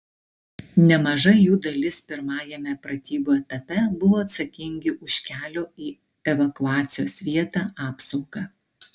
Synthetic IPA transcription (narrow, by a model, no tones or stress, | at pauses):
nʲɛmɐʒɐɪjuːd̪ɐlʲɪspʲɪɾmɑːjɛmʲɛpɾɐt̪ʲiːbuːɛt̪ɐpʲɛbʊʋoːɐt̪sɐkʲɪŋʲɡʲɪʔʊʃʲkʲæːlʲoːiː | ɛʋɐkʊɑːt̪sʲɪjo̰ːsʋʲiɛt̪ɑːʔɑːpsɒʊɡɑː